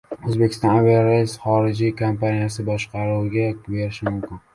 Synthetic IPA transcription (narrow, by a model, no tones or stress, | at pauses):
ɵzbekʲʰɪ̥st̪ɒnaviɾesχɒɾɪd͡ʒikʰompʰanijasɪbɒʃqɑɾuɡʲabe̞ɾɪʃɪmʊmkʲɪn